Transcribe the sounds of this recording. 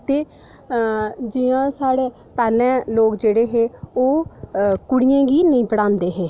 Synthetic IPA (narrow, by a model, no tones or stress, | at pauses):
t̪eː | d͡ʒɪãːsaːɽeː | pɛːlɛ̃ːloːkd͡ʒeːɽeːɦeːoːkʊɽijãːɡiːnəĩːpəɽãːnd̪eːɦeː